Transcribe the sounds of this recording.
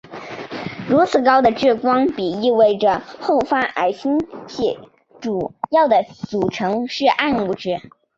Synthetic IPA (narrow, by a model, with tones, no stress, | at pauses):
ɻu˧˥t͡sʰɹ̩˨˩kɑ˥ʊd̪ə˨ʈ͡ʂɻ̩˥˩kwɑ˥ŋpi˨˩i˥˧we˥˩ɪʈ͡ʂə˩xo˥˩ʊfa˥ʔa˨˩ɪɕʰi˥ŋɕɛ˥˩ | ʈ͡ʂu˨˩jɑ˥˩ʊd̪ə˩t͡su˨˩ʈ͡ʂʰɤ˧˥ŋʂɻ̩˥˧ʔa˥˧nu˥˩ʈ͡ʂɻ̩˥˩